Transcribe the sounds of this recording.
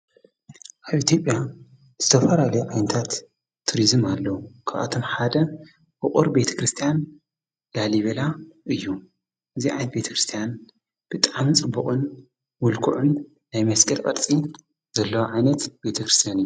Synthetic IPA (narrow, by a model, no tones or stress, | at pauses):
ʔaβit̪ʰjo̞pʼja | z̥ɨt̪ʰɐfɐlalɐjuʕajnɐt̪ʰat̪ʰː | uɾizɨmalːɐwukʰaʔʔa̰t̪ʰomħad̪ɐ | ʔɨχʼuɾbe̞t̪ʰɐ̥kɾɨst̪ʰijan | laliβelaʔɨjːu | ʔɨziʕa̰jnɐt̪be̞t̪ʰɐkɾɨst̪ʰijan | b̥ɨt̪ʼaʕamit͡sʼɨbːuχʼɨn | mʊlkʰṵʕʊnː | ajmɐskʼɐlkʼɐ̰ɾt͡sʼi | zɐlːɐwaʕajnɐt̪b̥e̞t̪ʰɐkɾɨst̪ʰijanɨjːu